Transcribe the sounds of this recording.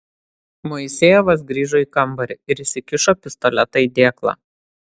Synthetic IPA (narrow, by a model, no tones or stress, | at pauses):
mɔɪsʲeːjɛʋɐs̬ɡɾʲiːʒoːiːˑkɐmˑbɐɾʲɪɪɾɪsʲɪkʲɪʃopʲɪst̪ɔlʲɛt̪ɐid̪ʲeːklˠɑ̰ː